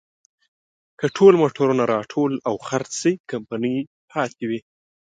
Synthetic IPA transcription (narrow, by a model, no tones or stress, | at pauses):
kəʈʰolmoʈʰoɾunaɾɑʈʰolawxaɾt͡ssikampanəj | pʰɑt̪ewi